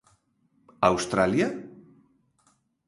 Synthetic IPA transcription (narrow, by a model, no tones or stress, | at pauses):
awst̪ɾalja